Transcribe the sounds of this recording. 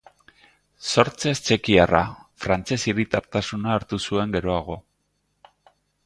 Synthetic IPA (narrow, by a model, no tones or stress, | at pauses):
so̞ɾt͡se̞st͡ʃe̞kiara̰fɾant͡se̞siɾit̪aɾt̪asunaːɾt̪usue̞ŋɡe̞ɾo̞aɣ̞o̞